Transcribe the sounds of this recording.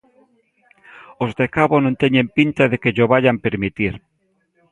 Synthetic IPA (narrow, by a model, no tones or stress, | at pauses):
ozðekaβonõnt̪eɲẽmpint̪aðekeʎoβaʎampeɾmit̪iɾ